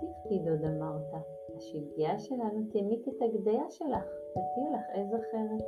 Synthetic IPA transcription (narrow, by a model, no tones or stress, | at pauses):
tifpid̪od̪amaʁt̪a | haʃiɡiaʃe̞lanut̪emit̪et̪aɡd̪ejaʃe̞laχ | vitilaχezaχe̞ʁet